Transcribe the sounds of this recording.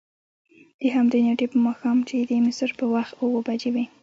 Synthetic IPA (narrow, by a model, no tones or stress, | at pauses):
d̪̥əɦamd̪enoʈipəmɑxɑmt͡ʃed̪əmɪsəɾpəwaxt̪owəbad͡ʒewi